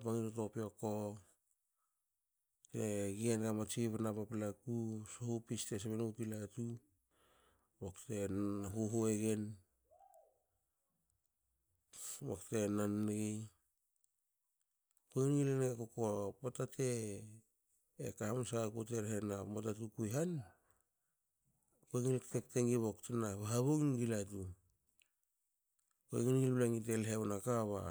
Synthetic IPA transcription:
paŋitotopioko | teɡienɡamat͡ʃiβɾnapapilakusohupistes̬eβenupilatu | woktenɦuɦoeɡe̞n | waktenanɡi | poŋinɡilanekokopotatʰe | ḛkahamsakuteɾhenamotatukujɦan | peŋilktek̚teŋiβoktenaβaɦaβoŋnɡilatu | koeɡinɡilblaŋit̬elɦewnakaβa̰

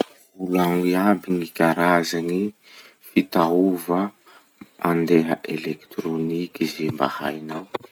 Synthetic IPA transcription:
ulaŋiabiŋikʲaɾazani | fit̪auvə | and̪eɦəʔelekt̪ɾonikizemba̰ha̰jnaw

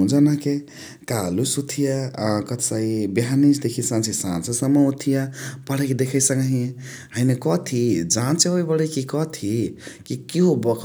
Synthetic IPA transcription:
ũd͡ʒanake | kalusut̪ʰijakʌt̪sajbɦanisd̪ekʰisãnt͡ʃʰisãnsesəmːəut̪ʰijapəɽ̤eked̪ekʰəjsəŋɡəɦĩ | ɦəjnekɔt̪ʰid͡ʒant͡ʃʰeojbʌɽekikɔt̪ʰikikiɦobʌkʰ

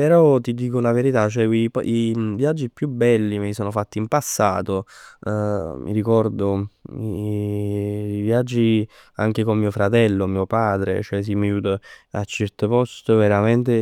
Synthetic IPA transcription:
peɾɔt̪id̪iːkolaveɾit̪at͡ʃːoɛkipɔ̰ʔivjad͡ʒːipjubːɛlːimesoːnofat̪ːiːmpasːa̰ːt̪o | mʔḭɾikɔrd̪oi | vjad͡ʒːi | a̰ŋk̟ekommiːofɾat̪ɛlːomiːopaːd̪ɾḛt͡ʃoɛs̬imːajuːt̪əat͡ʃːɛɾt̪əpɔst̪əveɾament̪e

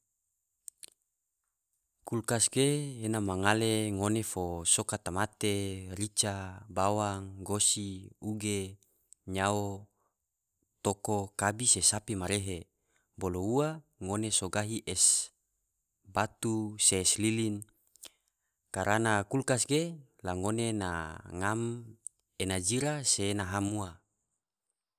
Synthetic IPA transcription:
kulkasɡeːnamaŋaleŋonefosokat̪amat̪eɾit͡ʃabawaŋɡosiuɡe | ɲao | t̪okokabisesapimaɾeɦe | bolouaŋonesoɡaɦiʔes | bat̪useslilin | kaɾanakulkasɡelaŋonena̰ŋam | enad͡ʒiɾasenaɦamua

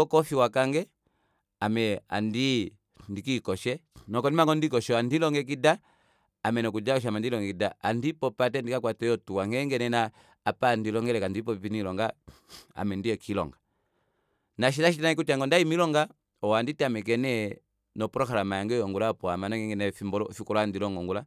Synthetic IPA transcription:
ɔkɔfiwakaŋɡɛ | amɛa̰ndi | ndikikɔʃɛnɔkɔnimaŋɡɔndikɔʃɛandilɔŋɡɛk̬idaː | mɛnɔkud͡ʒakɔʃ̬amandilɔŋɡɛkidaandipɔpat̬ɛndikak̬watɛjɔtuwaŋɛŋɡɛnɛna | apandilɔŋɡɛlɛkandipɔpinilɔŋɡaa̰mɛndiɛkʰilɔ̰ŋɡa | naʃ̬ilaʃitnaikutiaŋɡɔndaimilɔŋɡa | ɔwanditiamɛk̬ɛnɛ | nɔpɔɾɔkalamajaŋɡɛjɔŋɡulapɔamanɔŋɡɛŋɡɛnɛfimbɔɔfikɔlɔandilɔŋɡɔŋɡula

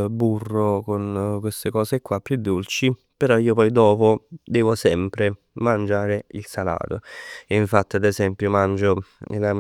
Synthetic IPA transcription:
burːokonkwest̪ekɔːsekːwapːjud̪ːult͡ʃi | peɾɔiːopɔjd̪ɔːpod̪ɛːvosɛmpɾe | mand͡ʒaːɾeilsala̰ːt̪oiɱfat̪ːiad̪ezɛmpjomand͡ʒo̰la

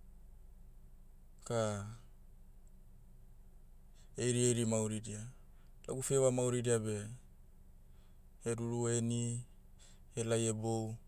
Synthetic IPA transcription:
ka | ejɾiejɾimauɾidia | la̰ɡufewamawɾidiabe̞ | eɾuɾueni | helajebow

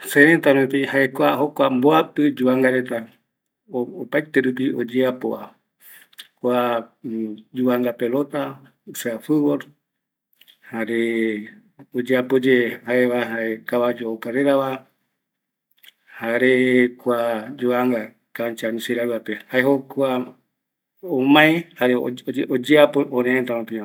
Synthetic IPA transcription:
seɾet̪amepihaekʷaɦokʷamboapɨd͡ʒuaŋɡaɾet̪a | oopait̪eɾup̬iod͡ʒeapoa | kʷa | d͡ʒuaŋɡapelot̪a | ɨsɨafɨβoɾ | haɾe | od͡ʒeapod͡ʒehaeβaɦaekaβad͡ʒookaɾeɾaβa | haɾekʷad͡ʒoaŋɡa | kant͡ʃanĩseɾaɾuapehaeɦokʷa | omãẽhaɾeod͡ʒeapooɾẽẽt̪amãpia

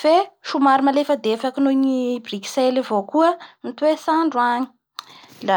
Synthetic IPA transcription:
feʃumaɾimalefəd̪efakinoɲibriki̥selivokuənit̪uwesaɳɖ͡ʐuaɲi̥ | la

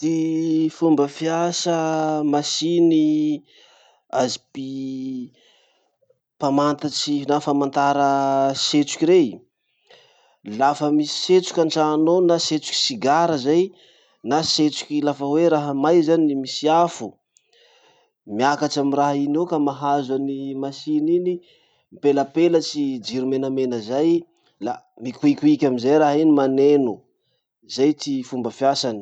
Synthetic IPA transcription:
d̪̥ifumbəfiasəmasini | azipi | pamant̪at͡sinafamant̪aɾəset͡su̥kʲiɾe | lafəmisi̥set͡su̥kʲaɳʈ͡ʂanonaset͡su̥ki̥siɡaɾəzaj | naset͡su̥kʲilafəweɾaɦəmajzanimisiafu | miakaʈ͡ʂamiraɦinokamaɦazanimasinini | mpeləpelət͡sid͡ʒiɾumenəmenəzaj | la | mikuikʲuikʲamizajɾaɦinimanenu | zajt͡sifumbəfjasani̥

